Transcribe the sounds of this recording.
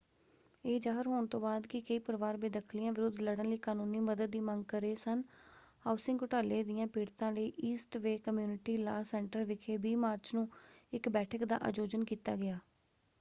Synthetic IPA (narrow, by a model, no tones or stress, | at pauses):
eːd͡ʒaːɦəɾɦoːɳt̪õːbaːd̪kɪkəiːpəɾʋaːɾbeːd̪əkʰlɪjãːʋɪɾʊd̪ʱləɽənləiːkaːnũːniːməd̪əd̪ːiːməŋɡ̚kəɾeːsənhaːʊsɪ̃ŋɡʊʈaːleːd̪ɪjãːpiːɽt̪ãːləiːʔiːsʈʋeːkəmjuːnɪʈiːlaːsɛːɳʈəɾʋɪkʰeːbiːmaːɾt͡ʃnũːɪkbɛːʈʰəkd̪a̰ːʔa̰ːd͡ʒoːd͡ʒənkiːt̪a̰ːɡɪaː